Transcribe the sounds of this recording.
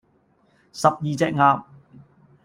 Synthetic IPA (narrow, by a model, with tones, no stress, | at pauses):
sɐ˨p̚jiː˨t͡sɛː˧k̚ŋaː˨˧p̚